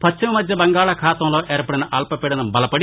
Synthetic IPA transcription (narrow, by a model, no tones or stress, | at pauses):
pʰɐt͡ʃːʃʰɐmɐmɐd͡ʒːɐbɐŋɡaːɭɐkʰaːt̪ɐmloːʔeːɾɐpɐɽɐnɐʔɐlpɐpeɽɐnɐbɐlɐpɐɽi